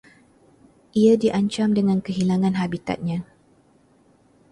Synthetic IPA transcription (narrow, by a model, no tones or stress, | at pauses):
ʔiadiʔaɲt͡ʃamdəŋãnkəɦilaŋãnɦabit̪a̰t̪̚ɲã